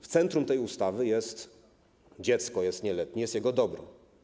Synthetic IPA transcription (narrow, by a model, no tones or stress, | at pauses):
ft̪sɛnt̪ɾumt̪ɛjust̪avɘjɛst̪ | d͡ʑɛt̪skɔjɛst̪ɲɛlɛt̪ɲijɛst̪jɛɡɔd̪ɔbɾɔ̰